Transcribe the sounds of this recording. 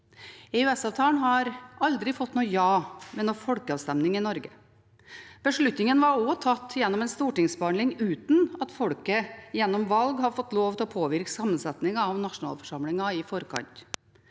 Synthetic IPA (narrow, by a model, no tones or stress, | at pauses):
ɛʉɛsɑːʋt̪ʰɑːnɦɑɾɑld̪ɾɪfɔt̪ːnuːjɑːʋɛnɔːfɔlkəɑːʋst̪ɛmnɪŋɪnɔɾɡə | b̥əʂɭʉt̪nɪŋənʋɑɾɔt̪ʰɑt̪ːjɛnːɔmɛnst̪uːʈɪŋsbəɑnlɪŋʉːt̪n̩ɑt̪fɔɽkəjɛnːɔmʋɑlɡhɑɾfɔt̪ːloːʋt̪ɪlɔpʰoːʋɪɾksɑmːənsɛt̪nɪŋɑɑʋnɑʂʊnɑ̰ːlfɔ̥ʂɑmlɪŋɑɪfɔɾkʰɑ̰nt̪